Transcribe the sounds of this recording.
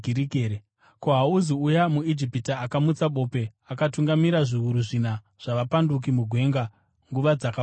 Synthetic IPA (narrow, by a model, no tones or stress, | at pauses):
iɾiɡeɾe | koɦauziujamuid͡ʒipitaakamut͡saɓo̞ːpe̞ | akatuŋɡamiɾaʐiuɾuʐina | ʐ̥aʋapanduk̬imuɡʱwe̞ŋɡa | ŋɡuʋad͡zaka